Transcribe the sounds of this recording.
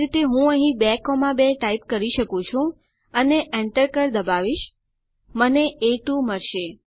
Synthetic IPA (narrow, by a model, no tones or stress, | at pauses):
ɾit̪eɦũəɦĩbɛkomãbeʈaip̚kəɾiʃəkũt͡ʃʰũ | əneʔɛɳʈəɾkəɾd̪əbaʋiʃ | məneʔeʈuməɾʃe